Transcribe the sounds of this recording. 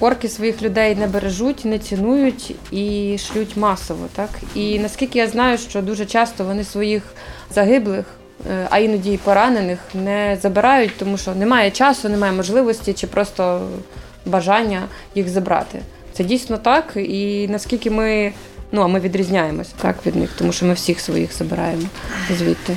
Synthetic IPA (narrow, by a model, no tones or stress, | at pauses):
pɔrkɪsʋɔjixlʲʊd̪ɛjnɛbeɾeʒutʲnɛt͡sʲɪnujʊtʲiʃlʲutʲmɑsɔʋɔ̰t̪ɑkinɐsʲkʲilʲkʲɪjaznɑjʊʃt͡ʃɔd̪uʒɛt͡ʃɑst̪ɔʋɔnɪsʋɔjix | zɐɦɪblˠɪx | ɐ̰inɔdʲijpɔɾɑnenɪxnɛzɐbɪɾɑjʊtʲt̪ɔmuʃɔnɛmɑjɛt͡ʃɑsɔnɪmɑjɛmɔʒlˠɪʋɔsʲtʲit͡ʃɪpɾʔɔst̪ɔ | bɐʒɑnʲːɐjixzɐbɾɑ̰t̪ɪ̰ | t̪sɛdʲijsʲnɔt̪ɑkinɐskʲilʲkɪmɪ | nuɐmɪʋʲid̪ɾʲizʲnʲajemɔsʲɐ̥t̪ɑ̰kʋʲid̪nɪ̰xt̪ɔmuʃt͡ʃɔmɪwsʲixsʋɔ̰jḭxzɐbɪɾɑ̰jemɔzʲʋʲḭt̪ʲːɪ